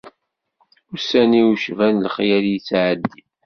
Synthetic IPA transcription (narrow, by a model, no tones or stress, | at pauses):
ʊsæniwuʃvænlχjæljit͡sːʕəd̪ːi